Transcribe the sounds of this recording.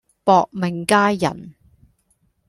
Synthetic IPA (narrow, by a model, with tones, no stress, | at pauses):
pɔː˨k̚mɪ˨˩ŋkaː˥jɐ̰˨˩n